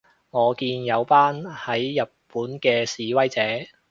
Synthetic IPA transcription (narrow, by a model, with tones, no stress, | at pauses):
ŋɔː˨˧kiː˧njɐ˨˧wpaː˥nhɐ˨˥jːɐ˨t̚puː˨˥nkɛː˧siː˨wɐ˥jt͡sɛː˨˥